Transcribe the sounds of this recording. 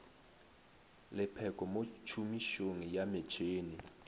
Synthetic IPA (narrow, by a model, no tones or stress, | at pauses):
lɪpʰɛkʼɔmot͡ʃʰumiʃoŋijamɛt͡ʃʰeːni